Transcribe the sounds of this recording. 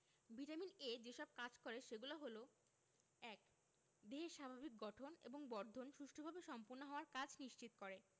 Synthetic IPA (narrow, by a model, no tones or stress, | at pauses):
biʈamined͡ʑeʃɔb̚kad͡ʑkoɾeʃeɡulaɦolo | ɛk | d̪eɦeʃabʱabik̚ɡɔʈʰonḛboŋbɔɾd̪ʱonʃuʃʈʰobʱabeʃɔmpoɾnoɦɔoaɾkad͡ʑʱniʃt͡ɕit̪okoɾe